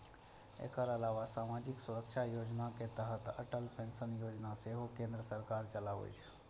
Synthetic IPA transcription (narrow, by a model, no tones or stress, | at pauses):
ḛkəɾəlaʋasamad͡ʒiksuɾək̚t͡ʃʰajod͡ʒnaket̪əɦət̪ə̰ʈəlpensənjod͡ʒnaseɦokẽnd̪ɾəsəɾkaɾt͡ʃəlaʋḛt͡ʃʰ